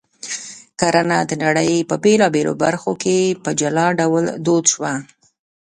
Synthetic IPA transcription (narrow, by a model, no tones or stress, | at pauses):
kaɾanad̪ənaɽəjpəbelɑbelo̰baɾxokepəd͡ʒalɑɖawld̪od̪ʃwa